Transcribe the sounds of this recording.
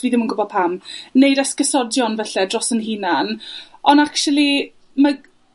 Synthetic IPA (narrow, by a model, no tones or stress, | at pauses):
viðɪmənɡʊbɔð̚pʰamnejdaskəsɔdjɔnvɛɬɛdrɔsənɦinanɔnakʃulˠi | ma